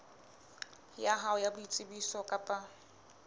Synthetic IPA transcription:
jaɦaʊjabʊit͡sʼɪbisɔkʼapʼa

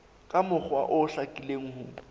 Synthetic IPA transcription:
kʼamʊk͡xwaʔʊɬakʼileŋ̩hʊ

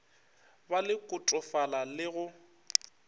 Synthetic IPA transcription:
balɪkʼʊtʼʊfalalɪɣʊ

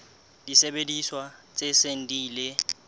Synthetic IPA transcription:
d̥isebediswat͡sʼesen̩diːle

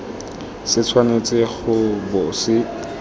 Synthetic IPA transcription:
sɪt͡sʰwanet͡sʼɪχʊbʊsɪ

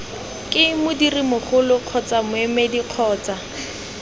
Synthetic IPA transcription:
kʼɪmʊdirimʊχʊlʊq͡χʰɔt͡samʊɛmediq͡χʰɔːt͡sa

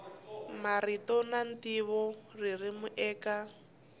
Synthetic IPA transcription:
maritɔnantiβɔririmuʔɛːka

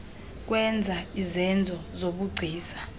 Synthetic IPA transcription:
k̬ʼwɛnd͡zʱaizɛnd͡zʱɔzoɓuɡ͡ǀʱiːsḁ

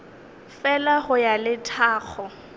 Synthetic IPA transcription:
fɛlaχʊjalɪtʰaːk͡xʰɔ

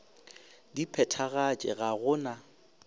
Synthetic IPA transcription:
dipʰɛtʰaɣat͡ʃʼɛ̰ɣaɣʊna

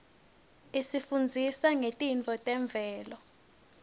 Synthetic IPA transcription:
isifund͡zʱisaŋetʼint͡fʰʼɔtʼɛɱb̪vʱɛːlɔ

